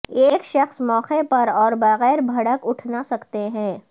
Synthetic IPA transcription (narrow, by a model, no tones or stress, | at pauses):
eːkʃɐxsmɔːxepɐɾɔːɾbɐɣɛːɾbʱɐɽəkʊʈʰnasɐkt̪eɦɛ̃ː